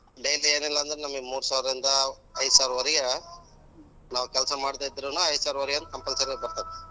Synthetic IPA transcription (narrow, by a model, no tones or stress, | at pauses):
ɖejlieːnilːɐːnd̪ɐɾenɐmːɐɡemuːɾusaːʋɾɐɾind̪ɐː | jsaːɾuʋɐɾijɐ | naːʋukʲɛlɐsɐmaːɽt̪aːid̪ːɾunuɐjsaːɾuʋɐɾijɐnːukɐmpɐlsɐɾɡebɐɾt̪aːʋe